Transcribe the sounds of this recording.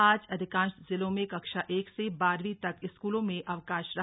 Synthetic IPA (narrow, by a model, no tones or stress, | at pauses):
aːd͡ʒɐd̪ʱɪkãːnʃzɪlõmẽkɐkʃaʔeːksebaːɾʋit̪ɐkɪskuːlõmẽʔɐʋkaːʃɾɐ